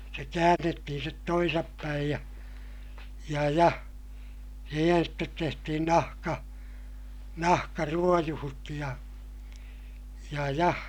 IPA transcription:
se kæːnːetːihin stet toisɑpːæij jɑ jɑ jɑ siːhen stet tehtihin nɑhkɑ nɑhkɑruojuhut jɑ jɑ jɑ

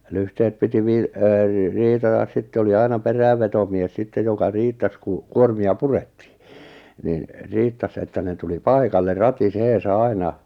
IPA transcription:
lyhtehet piti ʋiː eː riːtɑtɑs sitːe oli ɑinɑ peræˑʋːetomies sitːej jokɑ riːtːɑs ku kuormiɑ puretːi̥ː nin riːtːɑs etːæ ne tuli pɑikɑlːe rɑtiseːsɑ ɑinɑ

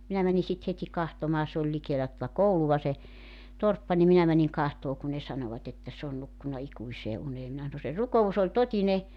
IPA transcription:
minæ mæni sit hetʲi kɑhtomɑː se olʲ likeːlæ tŏtɑ kouluʋɑ se torpːɑ nim minæ mæniŋ kɑhtoː kun ne sɑnoʋɑt etːæ s oːn nukːunɑ ikuiseː uneː minæ sɑno se rukous olʲ totine

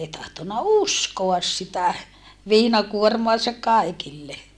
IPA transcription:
ei tɑhtonːɑ uskoɑs sitæ ʋiːnɑkuormoɑsɑk̆ kɑˑikilːe

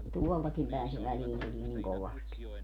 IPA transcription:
tuoltɑkim pæˑen se ʋæliːn tuliː niŋ koʋɑsti

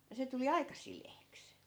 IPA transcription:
jɑ se tuli ɑikɑ sileːks

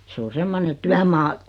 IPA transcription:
se o semːone tyæmɑː

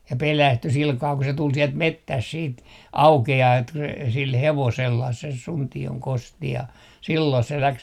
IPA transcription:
jɑ pelæsty silkɑː ku se tul sielt metːæs siːt ɑukeɑː et ku se sil heʋoselːɑh ses suntioŋ kosti jɑ silːoi se læks

